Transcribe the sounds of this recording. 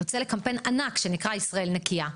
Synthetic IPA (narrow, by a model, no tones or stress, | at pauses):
ot͡sele̞kampe̞nanakʃe̞nikʁaisʁae̞lnekia